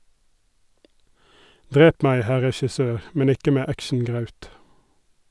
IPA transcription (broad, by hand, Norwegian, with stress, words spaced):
ˈdʁeːp ˈmæɪ ˈhæ ʁɛʃɪˈsøːɾ ˈmɛn ˈɪkə ˈmeː ˈækʃɳ̩ˌɡʁɑʉt